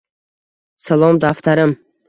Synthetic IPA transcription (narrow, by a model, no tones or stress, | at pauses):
salˠɒmd̪aft̪ʰaɾɪm